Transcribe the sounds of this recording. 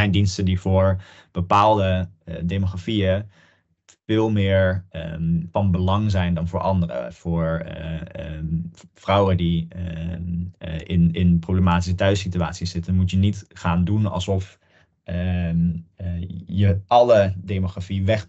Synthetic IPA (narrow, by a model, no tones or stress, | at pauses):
ɛjndinstəndivʊːɹ | b̥əpaːlˠdədemoχafiə | fɪːlˠmɪːɹ | fɑnbəlɑŋzɛjndɑnvʊːɹʔɑndərə̰v̥ʊːɹ | frʌwədi | ɪnɪnprowbləmaːtis̬ətœɥsityaːtsisz̥ɪtənmutjənitχaːndunɑ̰lˠsɔf | jəɑlədemoχrafiʋɛχ